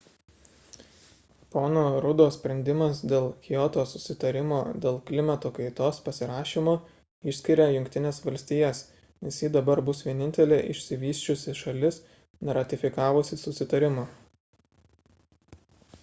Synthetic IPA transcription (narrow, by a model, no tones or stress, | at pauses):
poːnoːɾʊd̪oːssʲpʲɾʲɛnʲd̪ʲɪmɐsd̪ʲeːlˠkʲɪjɔt̪oːsʊsʲɪt̪ɐɾʲɪmoːd̪ʲeːlˠklʲɪmʲɐt̪oːkɐɪt̪oːspɐsʲɪɾɑːʃʲiːmoː | ɪʃʲsʲkʲɪɾʲɛjʊŋʲkt̪ʲɪnʲeːsʋɐlʲsʲt̪ʲiːjɛs | nʲɛsjiːd̪ɐbɐɾbʊsʋʲiɛnʲɪnʲt̪ʲɛlʲeːʔɪʃʲsʲɪʋʲiːsʲt͡ʃʲʊsʲɪʃɐlʲɪs | nʲɛɾɐt̪ʲɪfʲɪkɑːʋosʲɪsʊsʲɪt̪ɐɾʲɪmo